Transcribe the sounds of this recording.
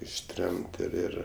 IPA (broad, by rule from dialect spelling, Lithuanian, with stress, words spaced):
ɪʃʲˈtʲrʲɛmt ɪr ˈɪr